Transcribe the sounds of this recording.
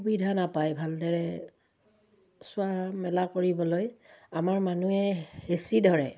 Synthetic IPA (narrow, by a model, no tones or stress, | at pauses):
ubidʱanapajbʱaldɔɹɛ | sʊamɛlakoɹibɔlojamaɹmanuɛhesidʱɔɹɛ̰